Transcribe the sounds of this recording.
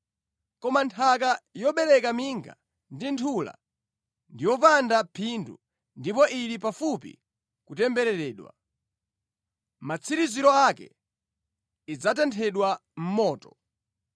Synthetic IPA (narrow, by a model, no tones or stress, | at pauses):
kɔmantʰak̬ajɔɓɛɾɛkamiŋɡa̰ | ndintʰula̰ | ndiwɔpandapʰindṵ | ndipɔʔiɾipafupḭ | kutɛmbɛɾɛɾɛːɗwa̰ | mat͡sʰiɾiziɾɔakɛ̰ | id͡zat̬ɛntʰɛɗwam̩mɔːtɔ̥